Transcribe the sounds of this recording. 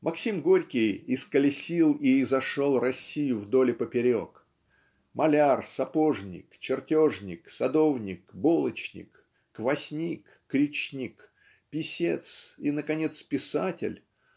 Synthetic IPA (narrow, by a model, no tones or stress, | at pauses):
mʔɐksʲimɡoɾʲkʲɪjɪskəlʲɪsʲilˠiːzɐʂolˠrɐsʲːijʊvd̪o̞lʲɪpəpʲɪɾʲo̞̰k | mʔɐlʲarsɐpo̞ʐnʲɪ̰kt͡ɕɪrtʲoʐnʲɪksɐd̪o̞vnʲɪkbolˠət͡ɕnʲɪ̰kː | vɐsʲnʲikːɾʲɪt͡ɕnʲik | pʲɪsʲet̪sinəkɐnʲe̞t̪spʲɪsatʲɪ̰lʲ